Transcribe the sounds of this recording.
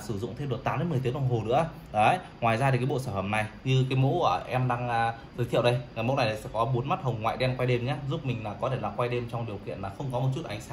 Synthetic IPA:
sɨ˧˩zʊ̰˧˨ŋ͡mt̪ʰe˧mɗo˨˩t̚t̪aː˨˦mɗe˨˦m˨˩jt̪ɗə˧˩ŋ͡mɦo˨˩nɨ̰˧˥ə | ɗə˨˦ | ŋwaː˨˩jzaː˧i˨˩kaː˨˦ɓo̰˧˨saː˧˩fə˧˩p̚na˨˩jɲɨ˧kaː˨˦jmo̰˧˥əː˧˩ʔɛ˧mɗaː˧ŋʔː | zʰɨː˨˦jt̪ḭ˧˨əwɗə˧jŋa˨˩jmo̰˧˥na˨˩jaː˨˩sɛ̰˧˥kɔ˨˦ɓu˨˦nma˦˥t̚hə˨˩wŋ͡mŋwa̰ː˧˨jɗɛ˧nkwa˧jɗe˧mɲaː˦zu˦˥p̚mï˨˩ŋ̟laː˨˩kɔ˨˦t̪e˧˩laː˨˩kwa˧jɗe˧mt͡ɕɔ˧wŋ͡mɗi˨˩əwkḭ˧˨ənlaː˨˩xə˧wŋ͡mkɔ˨˦mo˨˩t̚t͡ɕu˦˥t̚ʔa˨˦jŋ̟saː˨˦

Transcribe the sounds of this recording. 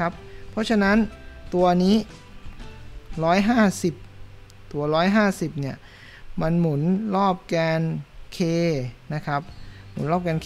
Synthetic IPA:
a˦˥p̚ʰːɔ˦˥t͡ɕʰa˧na˦˥nt̪u˧ɐniː˦˥ | ɾɔː˦˥jɦaː˥˩si˨˩p̚ | t̪u˧˩˦ɐɾɔː˦˥jɦaː˥˩si˨˩p̚ni˥˩ɐ | ma˧nmu˩˦nɾɔː˥˩p̚kaː˧nkʰeː˧na˦˥kʰa˦˥p̚mṵ˨˩˦nɾɔː˥˩kaː˧nkʰː

